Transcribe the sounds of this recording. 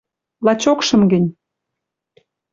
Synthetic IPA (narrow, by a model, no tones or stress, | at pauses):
lɑt͡ɕokʃɤ̆mɡɘ̆nʲ